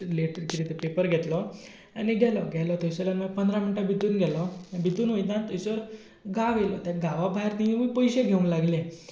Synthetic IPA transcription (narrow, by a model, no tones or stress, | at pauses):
leʈɾkɾit̪epepəɾɡʱɛt̪lɔ | aniɡʱɛlɔɡʱɛlɔt̪ɔsɔlanməɡpənd̪ɾaminʈabʱit̪uːnɡʱɛlɔbʱit̪uːnʋoinat̪ɔsəɾ | ɡaʋelɔt̪ãɡaʋabʱaiɾt̪iĩmiːpɔjɕeɡʱeũnlaɡlẽ